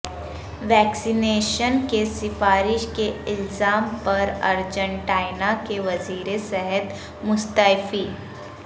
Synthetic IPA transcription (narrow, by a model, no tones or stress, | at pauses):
ʋɛːksineːʃənkesɪfaːɾɪʃkeɪlzaːmpɐɾɐ̰ɾd͡ʒə̃ɳʈaːɪnakeʋɐziːɾesɛɦət̪ | mʊst̪afiː